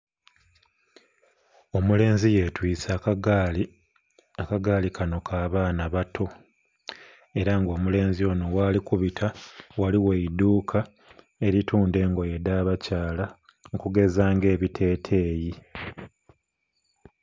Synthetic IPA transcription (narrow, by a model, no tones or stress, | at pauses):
o̞mule̞ːnzije̞twiːt͡sa | akaɡaːlikʰano̞kʰaːβaːnaβatʰo̞ | e̞ɾaŋɡo̞ːmule̞ːnzio̞ːno̞waːlikuβitʰawaliweiduːkʰa | e̞ɾituːnde̞ːŋɡo̞je̞daːβacaːla | ŋkuɡe̞zaːŋɡe̞ːβitʰe̞ːtʰe̞ːji